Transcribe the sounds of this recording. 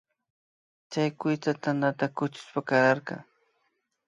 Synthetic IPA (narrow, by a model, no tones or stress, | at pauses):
t͡ʃajkʊjt͡s̪at̪anat̪akʊt͡ʃʊ̥spakaɾɑɾkɑ̰ŋ